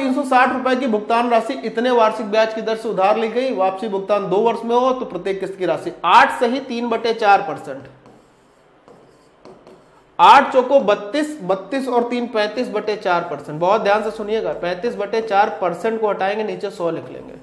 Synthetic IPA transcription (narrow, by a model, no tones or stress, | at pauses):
t̪iːnsɔsaːʈʰɾʊpɛk̬ibʱʊɡ̚t̪aːnɾaːsiʔɪt̪neʋaːɾsɪk̚bjaːt͡ʃkid̪ɐɾseʊd̪ʱaːɾliɡɐiʋaːpsibʱʊɡ̚t̪aːnd̪oːʋɐɾʃmẽɦot̪opɾɐt̪jeːkːɪskiɾaːsiaːʈʰsɐɦit̪iːnbɐʈet͡ʃaːɾpɐɾsɛ̃ɳʈ | aːʈʰt͡ʃoːkobɐt̪ːiːsbɐt̪ːiːsɔːɾt̪iːnpɛ̃ːt̪iːs̬bɐʈet͡ʃaːɾpɐɾsɛ̃ɳʈbɔɦɔt̪̚d̪ʱjaːnsesʊnijeːɡaːpɛ̃ːt̪iːs̬bɐʈet͡ʃaːɾpɐɾsɛ̃ɳʈkoɦɐʈaːẽːŋɡeniːt͡ʃesɔːlɪkʰlḛ̃ːŋɡḛː